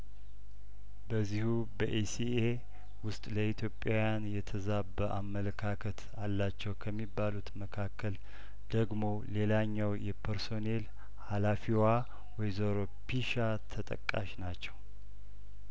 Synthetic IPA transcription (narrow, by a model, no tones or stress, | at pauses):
bəzːihu | bəʔesie | wʊst̪ʼləit̪ʰjo̞pʼːjawjanjɛt̪ʰəzabːəʔamːələkʰakʰət̪ʰ | alːat͡ʃːɛwkʰəmːibːalut̪məkʰakʰːəl | d̪̥əɡmo̞le̞laɲːawjɛpʰəɾso̞ne̞l | halafiwa | wɔjzoɾopiʃa | t̪ʰət̪ʼə̰kʼːa̰ʃnat͡ʃːɛw